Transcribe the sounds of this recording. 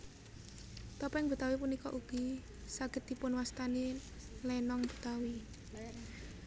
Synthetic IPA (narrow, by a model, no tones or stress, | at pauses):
t̪ɔpɛŋbut̪awipunikɔ̰ʔuɡ̥i | saɡ̥ə̤t̪ipʊnwast̪anilɛnɔŋb̥ṳ̥t̪awi